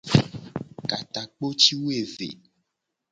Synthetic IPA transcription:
ka˨t̪a˨k͡po˦t͡ʃi˦wo˦e˨vḛ˨

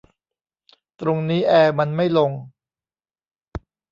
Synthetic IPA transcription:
t̪ɾo˧ŋniː˦˥ʔɛː˧ma˧nma˥˩jlo˧ŋ

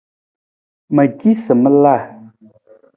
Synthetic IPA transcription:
mə˨ɡi˦sɨ˨mə˦la˦˨

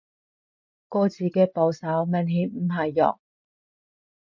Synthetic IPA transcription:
kɔː˧t͡siː˨˩kɛː˧po˨˧wsɐ˨˥wmɐ˨˧nɦiː˨˥nm̩˨˩ɦɐ˨jːɔ̰ː˨˩k̚

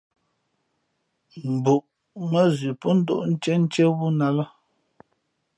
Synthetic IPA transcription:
m̩˨bu˨ʔ | mə˦zʉ˨pɔ˦n̩˦do̰˦˨ʔn̩˦t͡ʃɛ˦n̩˦t͡ʃe˦wu˦na˦lə˦

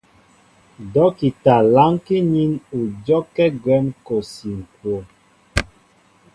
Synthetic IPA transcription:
dɔ˨˦ki˨ta˨la˦ŋki˦ɲi˦nu˨d͡ʒɔ˦kɛ˦ɡwɛ˨˦mko˨si˨ŋ̩˨kwo˨

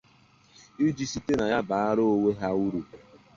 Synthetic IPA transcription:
i˦d͡ʒi˦si˦te˦na˨ja˦ba˨a˦ɾo˦o˦we˦ɦa˦u˦ɾu˨

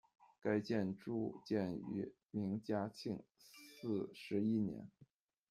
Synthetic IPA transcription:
ka˥ɪt͡ɕjɛ˥˧nʈ͡ʂu˥˩t͡ɕjɛ˥˩ny̰˧˥ | mi˧˥ŋt͡ɕja˥t͡ɕʰi˥˩ŋsɹ̩˥˩ʂɻ̩˧˥i˥njɛ̰˧˥n

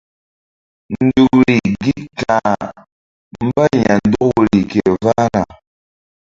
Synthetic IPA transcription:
n̩˦du˦˨k̚ɾi˨ɡi˦tka˨ | m̩˦ba˦ɲa˨n̩˦dɔ˦kɾi˨kɛ˨va˦na˨

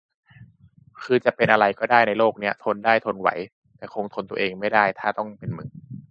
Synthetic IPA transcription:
kʰɯː˧t͡ɕa˨˩ʔpe˧nʔa˧ɾa˧jkɔː˥˩daː˥˩jna˧jloː˥˩k̚ni˦˥˩ɐt̪ʰo˧ndaː˥˩jt̪ʰo˧nwa̰˩˦j | t̪ɛː˨˩kʰoː˧ŋt̪ʰo˧nt̪u˧ɐʔeː˧ŋma˥˩jdaː˥˩jt̪ʰaː˥˩t̪ɔ˥˩ŋpe˧nmɯ˨˩˦ŋ

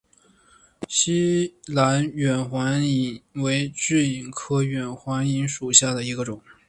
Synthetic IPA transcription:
ɕi˥la˧˥nɥɛ˨˩nxwa˧˥ni˧˩nwe˧˥ɪʈ͡ʂ̩˥˩i˨˩nkʰɤ˥ɥɛ˨˩nxwa˧˥ni˧˥ŋʂu˨˩ɕja˥˩d̪ə˩i˧˥ɡə˧ʈ͡ʂʊ˨˩˦ŋ

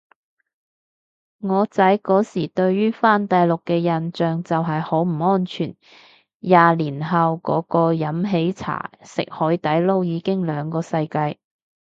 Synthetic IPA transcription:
ŋɔː˨˧t͡sɐ˨˥jkɔː˨˥siː˨˩t̪ɵ˧ɥːyː˥faː˥˩nt̪ɐ˨jlʊ˨kːɛː˧jɐ˨nt͡ʃœː˨˩ŋt͡sɐ˨wɦɐ˨jho˨˥wm̩˨˩ŋɔː˥nt͡ʃʰyː˨˩n | jaː˨liː˨˩nɦɐ˨wkɔ̰ː˨˥kɔː˧jɐ˨˥mɦe˨˥jt͡sʰa̰ː˨˩sɪ̰˨k̚hɔː˨˥jt̪ɐ˨˥jlo˥wjiː˨˧kɪ˥ŋlœː˨˧ŋkɔː˧sɐ˧jkaː˧j

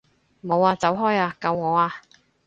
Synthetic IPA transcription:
mo˨˧waː˧t͡sɐ˨˥wɦɔː˥jaː˧kɐ˧wŋɔː˨˧aː˧

